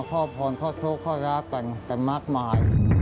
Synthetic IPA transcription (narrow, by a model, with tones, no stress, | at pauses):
kʰɔː˥˩pʰɔː˨˩nkʰɔː˥˩tʰoː˦˥˩kʰːɔː˥˩ɾaː˦˥t̪ɛ˨˩ŋt̪ɛ˨˩ŋmaː˦˥˩k̚maː˧j